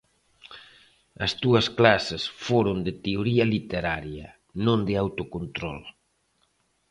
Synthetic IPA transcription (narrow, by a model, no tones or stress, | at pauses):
ɐst̪uɐsklasɪsfoɾond̪ɪt̪eoɾiɐlit̪eɾaɾjɐ | nõnd̪ɪawt̪okont̪ɾɔl